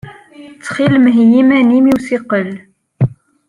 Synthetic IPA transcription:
t͡sːχilmɦijimænimiwsiqəl

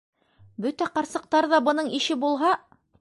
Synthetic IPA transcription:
bɵt̪æqɑɾsɤ̆q̚t̪ɑɾðɑbɤ̆nɤɴiʃɘbulˠɦɑ

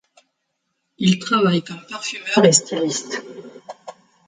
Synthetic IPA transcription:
ilt̪χavajkɔmpaʁfymœʁest̪alist̪

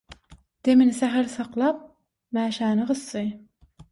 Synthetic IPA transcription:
d̪̥emɪnsæɦæɾsɑqlˠɑp̚ | mæːʃæːnɨʁɨsːɨj

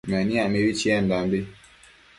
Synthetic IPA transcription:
mɛniamewit͡ʃiɛn̩dambe

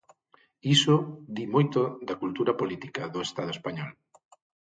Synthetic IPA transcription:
isod̪imojt̪oðɐkult̪uɾɐpolit̪i̥kaðoest̪aðoespaɲɔl

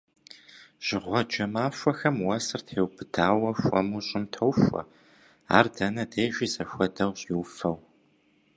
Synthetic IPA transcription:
ʒ̥ɪʁʷɔd͡ʒɐmaːɕʷʼɔxɐmwɐsɨrtʰeːwbɨdaːwɐɕʷʼɔ̰muːɕʼɪmtʰɐwɕʷʼɔ̰ | a̰ːrdɐnɐdeːʒiːzɐɕʷɐdɐwɕʼjɪwfɐw

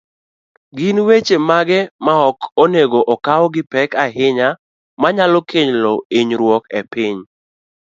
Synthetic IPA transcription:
ɡɪnwet͡ʃemaɡɛmaɔkoneɡoʔɔkawɔɡɪpɛkaɦɪɲa | maɲalɔkʰeɲlɔiɲɾwɔkɛpɪɲ

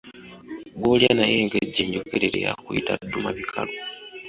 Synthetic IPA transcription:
ɡoljanaje̞ːŋɡeɟːeɲɟokeɾeɾḛja̰kuitadːumaβikʰalo

